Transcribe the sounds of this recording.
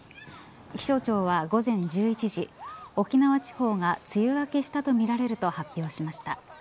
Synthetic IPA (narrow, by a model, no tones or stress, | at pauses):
kʲi̥ɕo̞ːt͡ɕo̞ːβaɡo̞zẽ̞ɲ̟d͡ʑɨːit͡ɕiʑio̞kʲinaβat͡ɕi̥ho̞ːŋat͡sɨjɯβake̞ɕi̥t̪at̪o̞mʲiɾaɾe̞ɾɯ̟t̪o̞hapʲːjo̞ːɕimaɕi̥t̪a